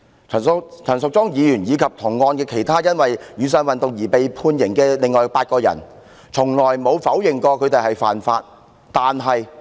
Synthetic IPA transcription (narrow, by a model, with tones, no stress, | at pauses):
ɐ˨˩˨t͡ʃʰɐ˨˩nsʊ˨k̚t͡sɔː˥ŋjiː˨˧jyː˨˩njiː˨˧kʰɐ˨p̚t̪ʰʊ˨˩ŋːɔː˧nkɛː˧kʰe˨˩jt̪ʰaː˥jɐ˥nwɐ˨jɥyː˨˧s̬œː˧nwɐ˨nt̪ʊ˨ŋjiː˨˩pe˨jpʰuː˧njɪ˨˩ŋkɛː˧lɪ˨ŋːɔː˨jpaː˧t̚kɔː˧jɐ̰˨˩n | t͡sʰʊ˨˩ŋlɔː˨˩jmo˨˧wfɐ˨˥wjɪ˨ŋkɔː˧kʰɵ˨˧ɥt̪e˨jhɐ˨jfa̰ː˨nfaː˧t̚ | t̪aː˨nɦɐ˨j